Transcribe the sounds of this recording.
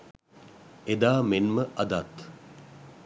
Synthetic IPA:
ed̪aːmenməɐd̪at̪

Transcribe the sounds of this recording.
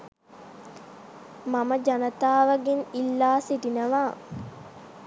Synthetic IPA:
maməd͡ʒanət̪aːʋaɡenilːaːsiʈinəʋaː

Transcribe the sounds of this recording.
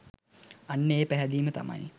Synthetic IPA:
anːəeːpæɦæd̪iːmət̪a̰ma̰j

